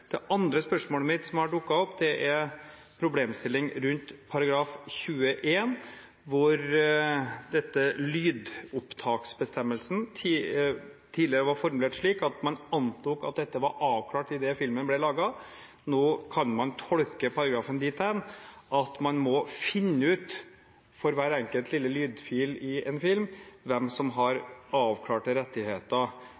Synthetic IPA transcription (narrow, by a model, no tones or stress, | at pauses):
d̪̥ɛʔɑnd̪ɾəspœʂmoːləmɪt̪sɔmhɑɖʊkːɑɔpːd̪ɛʔæɾ | pʰɾʊbleːmst̪ɪlːɪŋɾʉnt̪pʰɑɾɑɡɾɑːfçʉːəʔeːn | ʋʊɾ | d̪ɛt̪ːəlyːd̪ʊpt̪ʰɑːksbəst̪ɛmːəlsn̩ʰː | t̪ʰiːd̪lɪəɾəʋɑɾfɔɾmʉleːʈʂɭiːkɑt̪mɑnɑnt̪ʰuːkɑ̰t̪̚d̪ɛt̪ːəʋɑɾʔɑːʋkʰlɑːʈɪd̪ɛfɪlmənblɛlɑːɡɑ | noːkʰɑnmɑnt̪ʰɔɽkəpʰɑɾɑɡɾɑːfənd̪ɪːt̪ʰɛnʔɑt̪mɑnmɔfɪnːəʉːt̪ | fɔɾʋæːɾɛŋkəlt̪lɪlːəlyːd̪fiːlɪɛnfɪlmʋɛmsɔmɦɑɾɑːʋkʰlɑːʈəɾɛt̪ːɪheːt̪ə